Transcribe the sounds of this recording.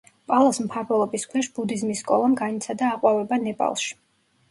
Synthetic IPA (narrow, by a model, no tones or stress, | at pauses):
pʼalˠasmpʰaɾvɛlˠɔbiskʰwɛʃbud̪izmisːkʼɔlˠamɡanit̪sʰad̪aːqʼwavɛbanɛpʼa̰lˠʃi̥